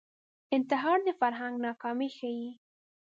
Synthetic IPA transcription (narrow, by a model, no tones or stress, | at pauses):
ɪnt̪ɪɦɑɾd̪əfaɾɦaŋɡnɑkɑmixaji